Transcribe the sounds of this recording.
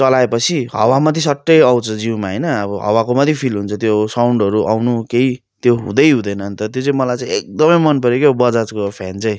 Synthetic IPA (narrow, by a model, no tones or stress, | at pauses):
t͡sʌlaepʌt͡sʰiɦʌ̰wamʌt̪isʌʈːʌjaw̃t͡sʰʌd͡ziwmaɦʌjnʌːbʌɦʌ̰wakomʌt̪ʰjipʰilɦunt͡sʰʌt̪josawɳɖʌɾuʔawnukei | t̪joɦṵ̃d̪ʌjɦũd̪ʌjnʌnt̪ʌt̪jot͡saĩmʌlajt͡sãĩek̚d̪ʌmʌjmʌnpʌɾjokebʌd͡zat͡skopʰjant͡saĩ